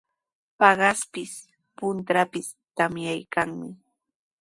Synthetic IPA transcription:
pɑɢɑspɪs | pʊnt̪ɾapɪs | t̪amjajkaŋmɪ

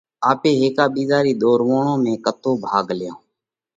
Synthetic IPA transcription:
aːpeːɦeːkaːɓiːzaːɾiːɗ̪oːɾʋoːɳõːmẽːkət̪oːbʱaːɡljãː

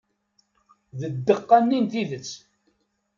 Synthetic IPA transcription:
ðəd̪ːəqːanːint̪iðət͡sː

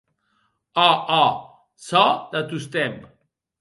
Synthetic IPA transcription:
ɔɔ | sɔd̪at̪ust̪ɛm

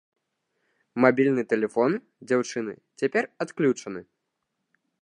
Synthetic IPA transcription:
mabʲilʲnɨt̪ɛlʲɛfɔn | d͡zʲawt͡ʂɨnɨ̰t͡sʲapʲɛrat̪klʲut͡ʂɐnɨ

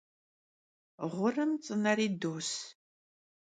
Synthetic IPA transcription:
ʁʷʊrɨmt͡sʼɨnɐɾiːdoːs

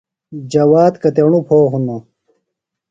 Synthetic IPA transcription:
d͡ʑɐwaːt̪kɐt̪eɳupʰoːɦuno

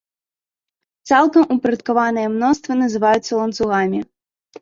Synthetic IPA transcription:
t̪salˠkɐmupɾɐt̪kavanɨjɛmnɔst̪vɐnɐzɨvajut̪sːɐlˠɐnt̪suɣamʲi

